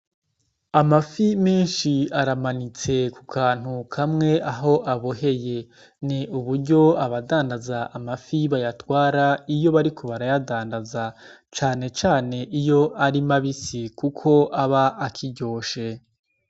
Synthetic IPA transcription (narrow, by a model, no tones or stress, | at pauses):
amafimeːnʃiaɾamanit͡se̞kukʰaːn̥ukʰamŋe̞ʔaɦo̞ʔaβoɦe̞je̞ | niuβuɾɟo̞aβadaːndazaʔamafiβajatwaːɾaijo̞βaɾikʰoβaɾajadaːndaza | t͡ʃaːne̞t͡ʃaːne̞ʔijo̞ʔaɾimaβisikukʰo̞ʔaβaʔːkʰiɟo̞ːʃe̞